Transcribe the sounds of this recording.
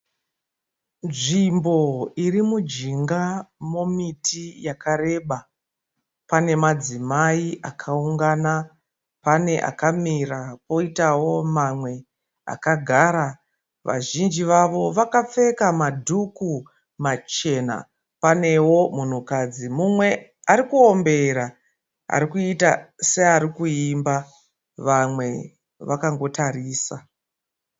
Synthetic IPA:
nʐimbo̞irimud͡ʒiŋɡamo̞mitʰijakaɾe̞ɓa | pane̞mad͡zimaiʔakʰauŋɡana | pane̞ʔa̰kamirapo̞itawo̞mamwe̞ | a̰kaɡʱaːɾa | ʋa̰ʒind͡ʒiʋaʋo̞ʋakap͡fe̞kamadʱuku | mat͡ʃe̞na̰ | pane̞wo̞mun̤ukad͡zimumwe̞aɾikuombe̞ɾa | a̰ɾikuitaseaɾikuimba | ʋamwe̞ | ʋakaŋɡo̞tariːsa

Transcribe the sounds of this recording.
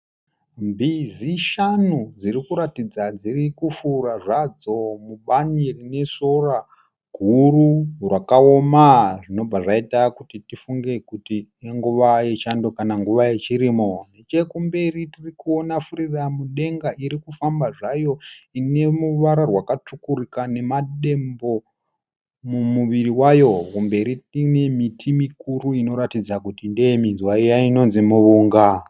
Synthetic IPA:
mbiziʃanud͡zirikuɾatid͡zad͡zirikufuɾaʐad͡zo̞muɓanirine̞so̞ra | ɡʱuɾurwakao̞maʐino̞b͡vaʐaitakutitifuŋɡe̞kutieŋɡuʋaje̞t͡ʃando̞kanaŋɡuʋaje̞t͡ʃiɾimonet͡ʃe̞kumbe̞ritirikuo̞nafuɾiramuɗe̞ŋɡaiɾikufambaʐajo̞ine̞muʋaɾarwakat͡ʂukurikane̞maɗe̞mbo̞ | mumuʋiriwajo̞kumbe̞ɾitine̞mitʰimikuɾuino̞ɾatid͡zakutindeeminzwaijaino̞nzimuʋuːŋɡa

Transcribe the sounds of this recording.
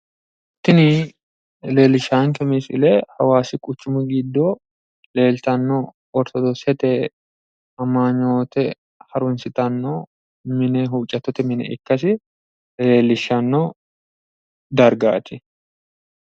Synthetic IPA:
t̪ːɪnɪ | le̞ːlːɪʃːaːŋkɛmisɪ̰lehɐwaːsɪkʼʊt͡ʃːʊmʊɡɪd̪ːɔ | le̞ːlt̪ɐnːɔ | ɔɾt̪ɔd̪osɛt̪ɛ | ɐmaːɲːoːt̪ɛ | hɐɾʊnsɪt̪ɐnːo | mɪnɛɦuːt͡ʃʼːɐt̪ːɔt̪ɛmɪnɛ̰ʔɪkːɐs̬ɪ | le̞ːlːɪʃːɐnːɔ | d̪ɐɾɡa̰ːt̪ːɪ

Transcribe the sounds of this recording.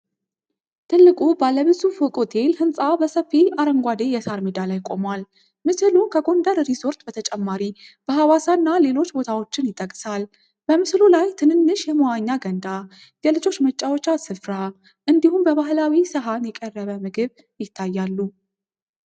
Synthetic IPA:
t̪ʰɨlːɨkʼubalːəβɨzufokʼot̪ʰelhɨnsʼabəsəfːilaɾəŋɡʷad̪ejɛsaɾmid̪alajkʼo̞mwal | mɨsɨlukʰəɡo̞nd̪əɾɾiso̞ɾt̪ʼbət̪ʰət͡ʃʼɛmːaɾib̥əɦawasanːale̞lo̞t͡ʃːbo̞t̪ʰawo̞t͡ʃːɪnjɪt̪ʼːəkʼsal | b̥əmɨslulajt̪ʰɨnɨnːɨʃjɛmowaɲːaɡənd̪a | jɛlɨd͡ʒo̞t͡ʃːmət͡ʃʼːawot͡ʃːasɨfɾa | ʔɨnd̪ihumbəβaɦlawisɨɦanjɛkʼərːəβəmɨɡɨβ | jɪt̪ʰːajːalːu

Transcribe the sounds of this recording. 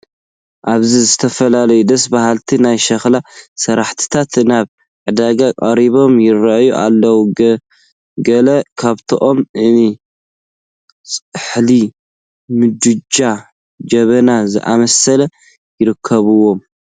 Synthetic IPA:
ʔaβzizɨt̪ʰɐfɐlalɐjud̪ɐs̬bahalt̪ʰinajʃɐxlasɐɾaħt̪ʰi̥t̪ʰat̪naβ | ʕɨd̪aɡakʼɐɾiβo̞mjɪɾɐjuʔa̰lːɐwu | ɡɐlɐkʰaβt̪ʰoʔo̞mɨni | sʼħli | mɨd͡ʒ̪ud͡ʒa | d͡ʒɐβɐnazɨʔa̰mɐsɐlɐ | jɪɾɨkʰːɐβɨwo̞m

